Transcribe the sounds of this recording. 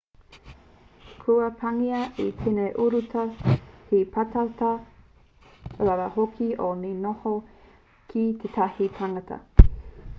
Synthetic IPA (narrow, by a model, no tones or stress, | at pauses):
kʰuɐpʰɐŋiɐʔitʰeneʔuɾutʰɐhipʰatat̪ɐ | ɾaɾɐhokʰiʔoninoho | kʰit̪ʰet̪ʰahipʰaŋɐt̪ʰɐ̰